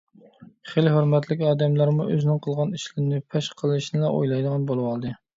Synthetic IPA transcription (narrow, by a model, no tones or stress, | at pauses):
χelɦøɾmɛt̪ʰlɪkʲɑːd̪ɛmlˠɑɾmuʔøzɪnɪŋqʰəlˠʁɑniʃlɪɾɪnɪpʰɛʃqʰəlˠɨʃnɪlɑʔo̰jlˠɑjd̪əʁɑnbolˠɨwɑlˠd̪ɨ